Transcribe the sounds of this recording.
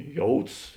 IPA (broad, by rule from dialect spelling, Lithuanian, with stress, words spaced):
ˈjoːʊts